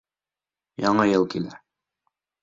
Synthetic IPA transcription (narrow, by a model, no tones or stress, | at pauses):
jɑɴɤjɤlˠkilæ